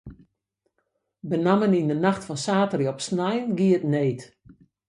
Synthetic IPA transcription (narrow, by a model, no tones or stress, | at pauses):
bənamənindənaxtfɔnsaːtəriɔpsnajənɡiətneːt